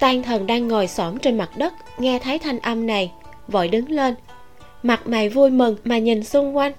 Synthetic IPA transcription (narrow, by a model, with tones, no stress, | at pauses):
t̪aː˧nt̪ʰə˨˩nɗaː˧ŋːɔ˨˩jsɔ˨˦mt͡ɕe˧nma˨˩t̚ɗə˦˥t̚ŋɛ˧t̪ʰaː˨˦jt̪ʰa˧jŋ̟ʔə˧mna˨˩j | və̰ː˧˩jɗɨ˨˦ŋle˧n | ma˨˩t̚ma̰˨˧˩jvu˧jmɨ˨˩ŋmaː˨˩ɲi˨˩nsʊ˧ŋ͡mkwa˧jŋ̟